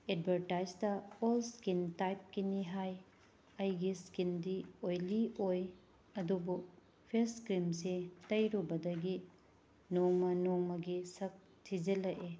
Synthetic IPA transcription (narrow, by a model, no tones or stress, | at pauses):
ed̚bʱɐɾtajd͡ʒtɐolskintajp̚kiniɦaj | ɐjɡiskindiojlioj | ɐdubuk̚ | pʰeɾskɾimsetɐjɾubɐdɐɡi | noŋmɐnoŋmɐɡisɐk̚ | tʰid͡ʒɐlɐʔe